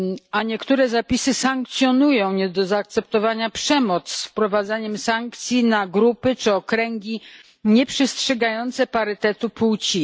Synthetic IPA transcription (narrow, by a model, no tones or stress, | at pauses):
aɲɛkt̪uɾɛzapʲisɘsaŋk̚t̪sʲjɔnujɔ̃w̃ɲɛd̪ɔzaːk̚t̪sɛp̚t̪ɔvaɲapʂɛmɔt̪ssfpɾɔvad̪zaɲɛmsaŋkt̪sʲjinaɡɾupɘt͡ʂɘɔkɾɛŋɡʲi | ɲɛpʂɛstʂɛɡajɔnt̪sɛpaɾɘt̪ɛt̪uput͡ɕi